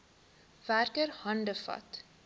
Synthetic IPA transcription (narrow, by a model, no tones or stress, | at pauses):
værkəɾhɐndəfɐ̰t